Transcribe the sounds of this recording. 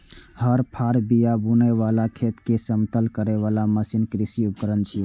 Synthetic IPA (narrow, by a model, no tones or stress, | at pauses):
həɾpʰaɾbijabunəʋalakʰet̪kesəmt̪əlkəɾeʋalaməsinkɾisiup̚kəɾənt͡ʃʰi